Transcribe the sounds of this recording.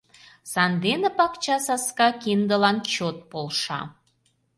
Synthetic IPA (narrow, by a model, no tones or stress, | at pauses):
sɑnd̪enepɑkt͡ɕɑsɑskɑkind̪əlɑnt͡ɕot̪̚polʃɑ̰